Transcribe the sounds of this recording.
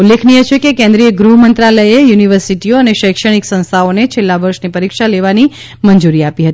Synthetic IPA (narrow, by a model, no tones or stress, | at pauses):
ulːekʰnijət͡ʃʰekekɛ̃nd̪ɾijəɡɾuɦmənt̪ɾaləjejuniʋəɾsiʈioəneʃəjkʃəɽ̃iksə̃ñst̪ʰaonet͡ʃʰelːaʋəɾʃnipəɾikʃaleʋani | mənd͡ʒuɾiapiɦət̪i